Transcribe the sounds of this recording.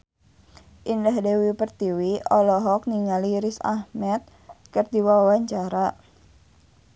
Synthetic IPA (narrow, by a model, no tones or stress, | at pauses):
ʔindahdewipərt̪iwiɔlɔɦɔk̚niŋaliɾisa̰hmɛt̪̚ | kərdiwawaɲt͡ʃaɾa